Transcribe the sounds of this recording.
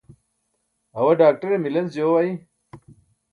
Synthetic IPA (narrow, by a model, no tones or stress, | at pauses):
ɦɐwɐɖaːk̚ʈɐɾemilɐnsd͡ʑjoːwaːi